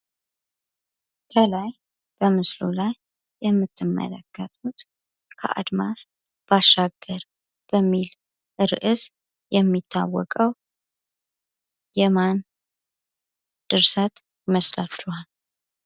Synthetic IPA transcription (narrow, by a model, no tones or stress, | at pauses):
kʰəlaj | b̥əmɨslo̰lajː | ɛmːɨt̪ːɨmːə̰lə̰ɡːət̪ʰʼut̪ | kʰə̰ʔa̰d̪mas | b̥aʃːaɡːəɾ | b̥əmːil | ʔɨɾʔɨs | jɛmːit̪ʰːa̰wːɔkʼəw | jɛman | d̪̥ɨɾsat̪ | jɪməslaflal